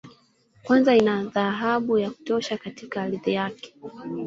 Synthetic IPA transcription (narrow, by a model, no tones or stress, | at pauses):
kwanzainaðaɦaɓujaku̥tɔʃakatikaːliðijakɛ̥